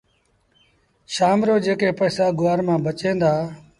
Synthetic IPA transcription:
ʃaːmɾoːd͡ʒeːkeːpəːsaːɡʊaːɾmãːbət͡ʃẽːnd̪aː

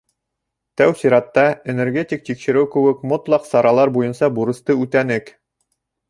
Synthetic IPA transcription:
t̪æwsiɾɑt̪ːɑenerɡʲe̞t̪ʲik̚t̪ikʃɘ̆ɾɘwkʉ̆wɘkmot̪lˠɑqsɑɾɑlˠɑɾbujɤnsɑbuɾɤ̆st̪ɤʉt̪ænɘk

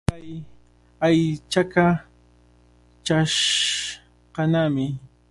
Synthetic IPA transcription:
aj | ajt͡ʃaka | t͡ʃaʃ | qɑnamɪ

